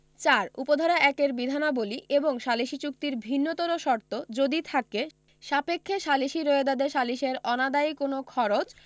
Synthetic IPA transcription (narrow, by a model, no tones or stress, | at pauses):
t͡ɕaɾupod̪ʱaɾaʔɛkeɾbid̪ʱanaboliʔeboŋʃaliʃit͡ɕuk̚t̪iɾbʱinːot̪oɾoʃɔɾt̪od͡ʑod̪it̪ʰake | ʃapekʰːeʃaliʃiɾoed̪ad̪eʃaliʃeɾɔnad̪ajkonokʰɔɾot͡ɕ